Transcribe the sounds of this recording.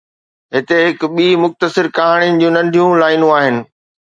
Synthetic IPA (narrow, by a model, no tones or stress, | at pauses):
ɦɪt̪eɦɪkɓiːmʊxt̪əsɪɾkɐɦaːɽ̃iənɪ̆d͡ʑũːnɐ̃ɳɖʱijũlaːɪnũaːɦɪnɪ̆